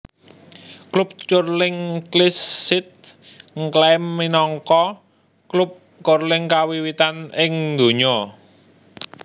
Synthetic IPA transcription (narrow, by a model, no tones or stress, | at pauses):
klup̚t͡ʃʊrlɪŋklisːɪt̪̚ | ŋklɛmːinɔŋkɔ | klup̚ | t͡ʃʊrlɪŋkawiwit̪anɪŋd̪o̤ɲɔ